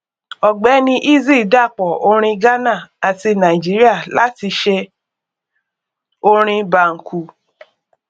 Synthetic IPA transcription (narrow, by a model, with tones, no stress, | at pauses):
ɔ˨ɡ͡bɛ˨˦nĩ˧ʔi˦˨zi˦˨da˦˨k͡pɔ˨o˧ɾ̃ĩ˧ɡa˦nã˦˨a˨ti˧nã˨i˨d͡ʒi˨˦ɾi˦a˦˨la˨˦ti˧ʃe˧ | o˧ɾ̃ĩ˧ba˨ŋ̩˨ku˨